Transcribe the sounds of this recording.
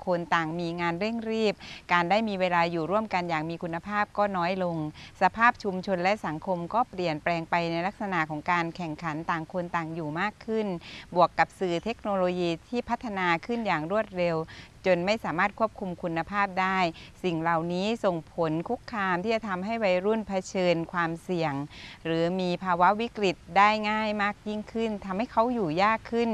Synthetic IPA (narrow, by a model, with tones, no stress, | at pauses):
kʰo˧nt̪aː˨˩ŋmiː˧ŋaː˧nɾe˥˩ŋɾiː˥˩p̚kaː˧ndaː˥˩jmiː˧weː˧laː˧juː˨˩ɾu˥˩əmka˧njaː˨˩ŋ̚miː˧kʰu˧nːa˧pʰaː˥˩p̚kɔː˥˩nɔː˦˥jlo˧ŋsa˧pʰaː˥˩p̚t͡ɕʰu˧mt͡ɕʰo˧nlɛ˦˥ʔsa˩˦ŋkʰo˧mkɔː˥˩pli˨˩ənplɛː˧ŋpa˧jna˧jla˦˥k̚sa˧na˨˩ʔkʰɔː˩˦ŋkaː˧nkʰɛ˨˩ŋkʰa˩˦nt̪aː˨˩ŋkʰo˧nt̪aː˨˩ŋjuː˨˩maː˥˩kʰːɯ˥˩nbu˨˩əkːa˨˩p̚sɯː˨˩t̪ʰe˦˥k̚noː˧loː˧jiː˧t̪ʰiː˥˩pʰa˦˥t̪ʰːa˧naː˧kʰɯ˥˩njaː˨˩ŋɾu˥˩ət̪̚ɾe˧wt͡ɕo˧nma˥˩jsaː˩˦maː˥˩t̪̚kʰu˥˩əp̚kʰu˧mkʰu˧nːa˧pʰaː˥˩p̚daː˥˩jsi˨˩ŋla˨˩wniː˦˥so˨˩ŋpʰo˨˦nkʰu˦˥kʰːaː˧mt̪ʰiː˥˩t͡ɕa˨˩t̪ʰa˧mɦa˥˩jwa˧jɾu˥˩npʰa˧t͡ɕʰɤː˧nkʰwaː˧msi˨˩əŋɾɯː˩˦miː˧pʰaː˧wa˦˥wi˦˥kɾi˨˩t̪̚daː˥˩jŋaː˥˩jmaː˥˩k̚ji˥˩ŋkʰɯ˥˩nt̪ʰa˧mha˥˩jkʰa˦˥wjuː˨˩jaː˥˩kʰːɯ˥˩n